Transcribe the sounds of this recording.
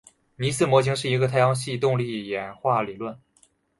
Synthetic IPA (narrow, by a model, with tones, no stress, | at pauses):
ni˧˥sɹ̩˥˩mwɔ˧˥t͡ɕʰi˧˥ŋʂɻ̩˥˩i˧˥ɡə˧t̪ʰa˥˧ɪjɑ˥ŋɕi˥˧t̪ʊ˥˧ŋli˥˩jɛ˨˩nxwa˥˩li˨˩lwə˥˩n